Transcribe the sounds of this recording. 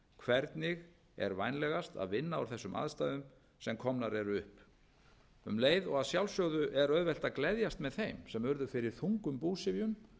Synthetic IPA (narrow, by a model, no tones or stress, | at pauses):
kʰvɛɾt̪nɪɣ | ɛ̰ɾvajnlɛɣast̪a̰ðvɪnːaawɾ̥θɛsːʏmʔa̰ðst̪ajðʏm | sɛmkʰɔmnaɾɛɾʏhp | ʏmleːjðɔɣaðsjawlsjœwðʏʔɛɾœðvɛl̥t̪aklɛðjast̪mɛðθejmsɛmœɾðʏfɪɾɪɾ̥θuŋkʏmpuːsɪvjʏm